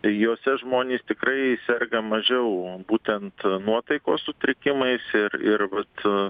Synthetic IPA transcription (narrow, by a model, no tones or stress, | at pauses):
joːsʲɛʒmoːnʲeːst̪ʲɪkɾɐɪsʲɛrɡɐmɐʒʲɛʊbuːt̪ʲɛnt̪nuɔt̪ɐɪkoːssʊt̪ʲɾʲɪkʲɪmɐɪsɪrɪrʋɐt̪